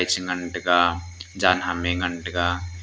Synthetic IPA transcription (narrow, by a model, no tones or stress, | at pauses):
jt͡ʃʰɡəɳʈɡad͡ʒaːnɦameɡəɳʈɡa